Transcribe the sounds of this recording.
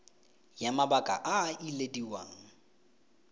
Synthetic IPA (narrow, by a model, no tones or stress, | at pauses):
jamabakʼa̰ʔailediwa̰ːŋ̩